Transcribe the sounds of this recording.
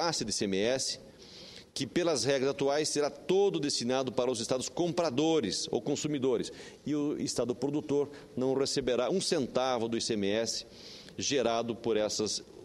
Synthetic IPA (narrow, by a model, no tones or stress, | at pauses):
asɪd̪ɪsemeɛsɪ̥ | kɪpelɐzhɛɡɾɐzat̪uajsːeɾat̪od̪ʊd̪est̪inad̪ʊpaɾɐʊzɪst̪ad̪ʊskõmpɾad̪oɾɪso̰wkõsumid̪oɾɪs | ɪʊist̪ad̪ʊpɾod̪ut̪oɾ | nɐ̃w̃resebeɾaũsẽnt̪avʊd̪ʊisemeɛsɪ̥ | ʒeɾad̪ʊpoɾɛsɐs